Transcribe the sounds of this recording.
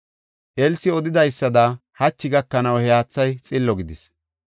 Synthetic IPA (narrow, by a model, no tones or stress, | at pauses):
ʔɛlsɪɔd̪ɪd̪ɐjsːɐd̪ɐhɐt͡ʃːɪɡɐkːɐnɐwhɛjaːt͡sːɐjt͡sʼɪlːɔɡɪd̪ɪs